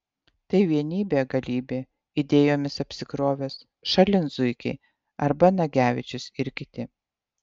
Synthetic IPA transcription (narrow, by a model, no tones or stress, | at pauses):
t̪ɐɪʋʲiɛnʲiːbʲeːɡɐlʲiːbʲeː | ɪd̪ʲeːjoːmʲɪsɐpʲsʲɪkɾoːʋʲeːs | ʃɐlʲɪnzʊɪkʲɛɪ | ɐɾbɐnɐɡʲæːʋʲɪt͡ʃʲʊsɪɾʲkʲɪt̪ʲɪ